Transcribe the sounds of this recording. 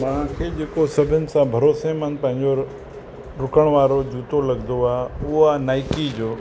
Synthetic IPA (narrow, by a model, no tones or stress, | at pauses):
mãkʰeːd͡ʒeːkosəbʱɪnɪ̆sãbʱəɾoːsemə̃npə̃ɦɪ̃ɲd͡ʒoɾ | ɾʊkəɽ̃ʋaːɾod͡ʒuːt̪olɐɡd̪oaːʊoanaːɪkid͡ʒoː